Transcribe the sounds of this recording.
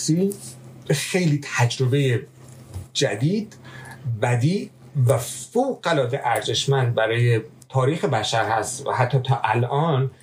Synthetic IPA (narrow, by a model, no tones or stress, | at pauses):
siː | xejliːt̪ʰæd͡ʒɾobeje | d͡ʒæd̪iːd̪bæd̪iː | væfowɣælɒːd̪eʔæɾze̞ʃmænd̪̚bæɾɒːjet̪ʰɒːɾiːxebæʃæɾhæst̪væ̰hæt̪ʰːɒːt̪ʰɒːʔælʔɒːn